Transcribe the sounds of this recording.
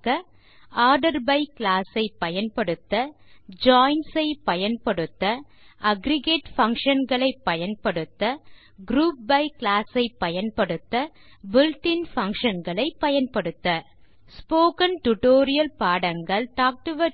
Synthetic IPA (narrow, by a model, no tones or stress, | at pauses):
kɐ | aːɾɖɐɾbɐɪklaːsɐɪpːɐjɐnpɐɽɯt̪ːɐ | d͡ʒaːɪnsɐɪpɐjɐnpɐɽɯt̪ːɐ | ʔɐɡɾɪɡeːʈfɐŋkʂɐnɡɐɭɐɪpːɐjɐnpɐɽɯt̪ːɐ | ɡɾuːp̚bɐɪklaːsɐɪpːɐjɐnpɐɽɯt̪ːɐ | bɪlʈɪnfɐŋkʂɐnɡɐɭɐɪpːɐjɐnpɐɽɯt̪ːɐ | spoːkɐnʈʊʈoːɾɪjɐlpaːɽɐŋɡɐɭʈaːk̚ʈɯʋɐ